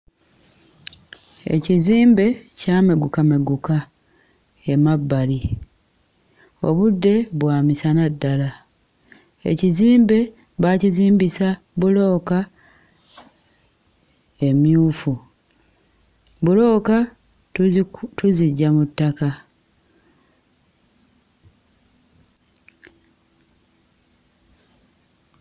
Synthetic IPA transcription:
e̞̰ciziːmbe̞caːmeɡukameɡuka | e̞mabːali | o̞̰βudːe̞βwaːmisanadːala | ḛciziːmbe̞ | βaciziːmbisa | βulo̞ːka | e̞mjuːfu | βulo̞ːka | tuziɟːamutːaka

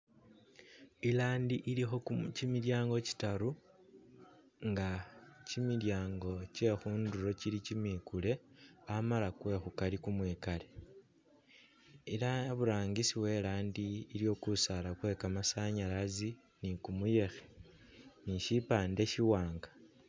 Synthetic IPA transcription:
ilaːndiʔilixo̞cimiljaːŋɡo̞ci̥taɾu | ŋɡacimiljaːŋɡo̞ce̞xuːnduɾo̞cilicimiːkule̞amalakwe̞xukalikumweːkale̞ | ilaβuɾaːŋɡisiwe̞ːlaːndiːljo̞ːkusalakwe̞ːkamasaɲalazi | nikumuje̞xe̥ | niʃipaːnde̞ʃiwaːŋɡḁ

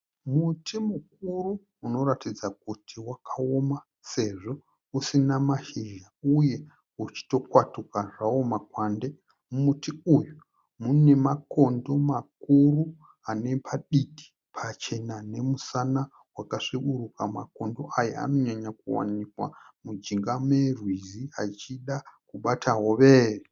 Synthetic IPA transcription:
mutʰimuk̚uruː | no̞ratid͡zak̚utʰiwakʰao̞ma | se̞ʐo̞ | usinamaʃiʒauje̞ | ut͡ʃi̥to̞kwatukaʐao̞makwande̞ | mumutiuju | mune̞mako̞ndo̞mak̚uru | ane̞pʰaɗiɗi̥ | pʰat͡ʃe̞nane̞musana | wakaʂiɓurukama̰ko̞ndo̞ʔajaa̰no̞ɲaɲakuwa̰nikwa̰mud͡ʒiŋɡamwe̞rwiziat͡ʃiɗakuɓatʰaɦo̞ʋeːre

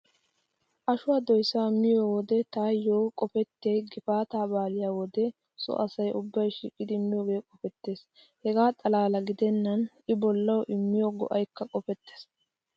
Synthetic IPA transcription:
ʔɐʃʊwaːd̪ɔjsːaamɪjoːwɔd̪ɛt̪aːjːoːkʼɔfɛt̪ːejɡɪfaːt̪aːbaːlɪjaːwɔd̪ɛ | sɔ̰ʔɐsɐjʔʊbːɐjʃḭːkʼːɪd̪ɪmɪjoːɡe̞ːkʼɔfɛt̪ːe̞ːs | hɛɡaːt̪ʼɐlaːlɐɡɪd̪ɛnːɐnʔɪbɔlːɐwɔʔɪmːɪjoːɡɔ̰ʔɐjkːɐkʼɔfɛt̪ːeːs

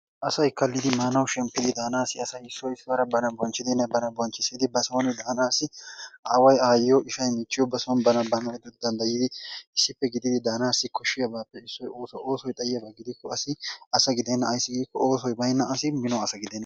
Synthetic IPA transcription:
ʔɐsɐjkɐlːɪd̪ɪmaːnɐwʃɛmpːɪd̪ɪd̪aːnaːsɪɐsɐjɪsːɔɪsːɪwɐɾɐbɐnɐbɔnt͡ʃːɪd̪ɪnːɐbɐnɐbɔnt͡ʃːɪsiːd̪ɪbɐsoːnɪd̪aːnaːsːɪʔaːwɐjaːjoʔɪʃɐjmɪt͡ʃːɪjɔbɐsoːnbɐnɐbɐnɐjɛd̪ʊd̪ɐnd̪ɐjɪd̪ɪɪsːɪpːɛɡɪd̪ɪd̪ɪd̪aːnaːsɪkɔʃːɪjɐbaːpːɛɪsːɔjoːsɔʔoːsɔjt̪ʼɐjːɐbɐɡɪd̪ɪkːɔɐsɪɐsɐɡɪd̪ɛnːɐːjsːɪɡiːkːɔoːsɔjbɐjɪnːɐɐsɪmɪnɔɐsɐɡɪd̪ɛnːɐ

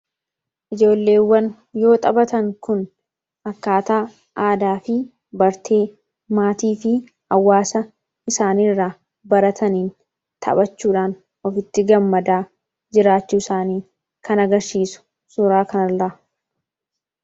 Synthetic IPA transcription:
ʔɪd͡ʒo̞ːlːe̞ːwːɐn | jo̞ːt̪ʼɐbɐt̪ɐŋkʊn | ɐkːaːt̪aː | ʔaːd̪aːfɪ | bɐɾt̪ʰe̞ː | maːt̪iːfɪ | ɐwːaːsɐ | ɪsaːnirːa | bɐɾɐt̪ʰɐniːn | t̪ʰɐ̰bɐt͡ʃːuːᶑaːn | ɔfɪt̪ːɪɡɐmːɐd̪aː | d͡ʒɪɾaːt͡ʃːuːɪsaːniː | kʰɐnɐɡɐɾsiːsʊ̥ | suɾaːkɐnɐlːɐʔɐ

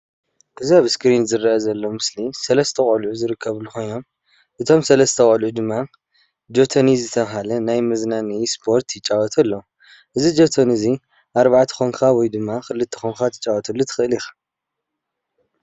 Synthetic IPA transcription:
ʔɨziaβskɾinzɨɾaʔɐzɐlːomɨslisɐlɐst̪ʰɐχʼɐlʕuzɨɾɨkʰːɐβlːuxo̞jno̞m | ʔɨt̪ʰo̞msɐlɐst̪ʰɐχʼɐlʕud̪ɨmːa | d͡ʒo̞t̪ʰonizɨt̪ʰɐβɦalɐnajmɐznanispʰo̞ɾt̪ʰjɪt͡ʃʼawɔt̪ʰɐlːo | ʔɨzid͡ʒot̪ʰonɨzi | ʔaɾβaʕt̪ʰɨ̥xoŋkʰawɔjd̪ɨmːaxɨlːɨt̪ʰːɨ̥xoŋkʰat̪ʰɨ̥t͡ʃʼawɔt̪ʰɐlːut̪ʰɨ̥xɨʔɨlixḁ

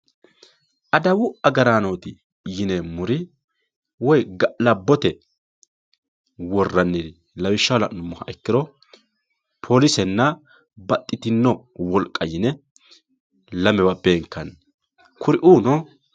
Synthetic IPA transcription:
ʔɐd̪ɐwʊʔɐɡɐɾaːnoːt̪ɪ | jɪnemʊɾɪ | wɔjɡɐʔlɐbːɔt̪ɛ | wɔrːɐnːɪd̪ɪ | lɐwɪʃːɐwlɐ̰ʔnʊmːɔhɐʔɛkːɪɾɔ | pʰo̞ːlɪsɛnːɐ | bɐt̪ʼːɪt̪ɪnːɔwɔlkʼːɐjɪnɛ | lɐmɛwɐbeːŋkːɐn | kʰʊɾɪʔuːnɔ

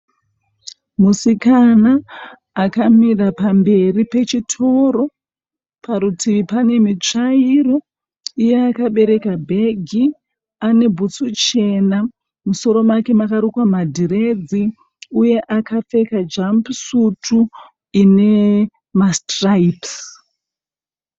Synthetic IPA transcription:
musikanaː | kamirapambe̞ripe̞t͡ʃitʰo̞ɾo̞ | paɾutʰipane̞mit͡ʂaiɾo̞ | ijeakaɓe̞ɾe̞kabʱe̞ɡʱi | ane̞bʱut͡sut͡ʃe̞na | muso̞ɾo̞make̞makaɾukwamadʱiɾe̞d͡zi | uje̞ʔakafe̞kad͡ʒampsutʰu | ine̞ | mastraips

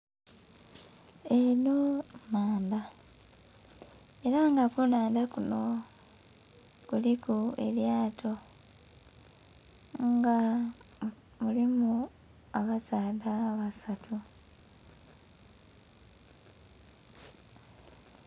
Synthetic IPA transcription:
enomaːmba | e̞ɾaŋɡakunaːndakuno̞ | kulikue̞̰ljaːtʰo̞ | ŋɡa | mulimu | aβasaːdaβasatʰu

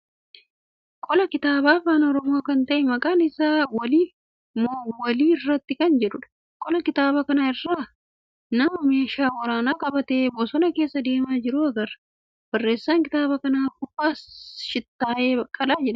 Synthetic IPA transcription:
kʼɔlɐkɪt̪aːbaːfaːnɔɾɔmoːkɐnt̪ɐʔɛmɐkʼaːnɪsaːwɐli | mowɐliːɪrːɐt̪ːɪkɐnd͡ʒɛᶑʊᶑɐ̥ | kʼɔlɐkɪt̪aːbɐkɐnaɪrːaː | nɐmɐme̞ːʃaːwɐɾaːnaːkʼɐbɐt̪eːbɔsɔnɐke̞ːsːɐd̪e̞ːmaːd͡ʒɪɾʊɐɡɐɾɐ | b̥ɐrːe̞ːsːaːŋkɪt̪aːbɐkɐnaːkʊfaːʃɪt̪ːaːʔeːɐkʼːɐlaːd͡ʒɛᶑɐ

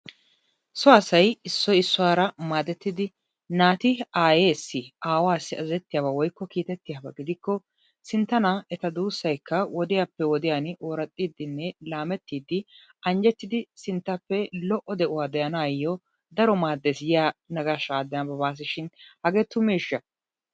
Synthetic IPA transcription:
sɔɐsɐjɪsːɔjɪsːʊwaːɾɐmaːd̪ɛt̪ːɪd̪ɪ | naːt̪ɪaːjeːsːɪʔaːwaːsːɪɐzɛt̪ːɪjaːbɐwɔjkːɔkiːt̪ɛt̪ːɪjaːbɐɡɪd̪ɪkːɔ | sɪnt̪ːɐnɐɛt̪ɐd̪uːsːɐjkʰːɐwɔd̪ɪjapːɛwɔd̪ɪjanʔoːɾɐt̪ʼːiːd̪ːɪnːɛlaːmɛt̪ːiːd̪ːɪ | ɐnd͡ʒɛt̪ːɪd̪ɪsɪnt̪ːɐpːɛlɔʔːɔd̪ɛʔʊwaːd̪ɛjɐnaːjːɔ | d̪ɐɾɔmaːd̪ːesɪjɪjaːnɐɡaʃaːd̪ːɛnɐbɐbaːs̬ɪʃɪnhɐɡeːt̪ːʊmeːʃːɐ

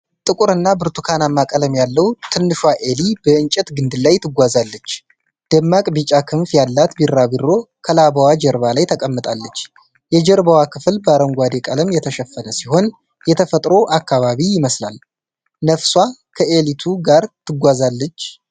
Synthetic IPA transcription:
t̪ʼɨkʼuɾɨnːabɨɾt̪ʰukʰanamːakʼələmjalːəwt̪ʰɨnːɨʃwaʔe̞libəɨnt͡ʃʼɛt̪ɡɨnd̪ɨlajt̪ʰɨɡʷazalːət͡ʃː | d̪̥əmːakʼbit͡ʃʼakʰɨɱfjalːat̪biɾːabiɾo̞kʰəlaβawad͡ʒɛɾβalajt̪ʰəkʼəmːɨt̪ʼalːət͡ʃː | jɛd͡ʒɛɾbawakʰɨflbəaɾəŋɡʷad̪ekʼələmjɛt̪ʰəʃɛfːənəsiho̞n | jɛt̪ʰəfət̪ʼɾo̞ʔakːaβaβijɪməsla̰l | nəfswakʰəʔe̞lit̪ʰuɡaɾt̪ʰɨɡʷazalːət͡ʃː

